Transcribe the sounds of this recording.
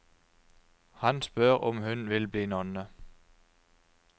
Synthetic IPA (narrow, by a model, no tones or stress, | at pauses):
hɑnsb̥ɶɐʁʔɒ̽mɦʉnʋelb̥linɒnːə